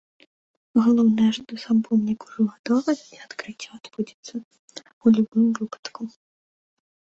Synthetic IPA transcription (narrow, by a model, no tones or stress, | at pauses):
ɦɔlˠɔwnɛʒd̪ɔsɐmpɔmnʲikʊ̥ʒʊɦɔd̪ɔlɪiɔt̪kɾɪtʲːɐɔd̪budʲi̥t͡s̪ʲːɐ | ulʲʊbɪmʋɪpɐ̥d̪kʊ